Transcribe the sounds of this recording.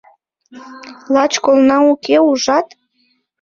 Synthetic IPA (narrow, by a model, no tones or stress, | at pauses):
lɑt͡ɕkolnɑukeuʒɑt̪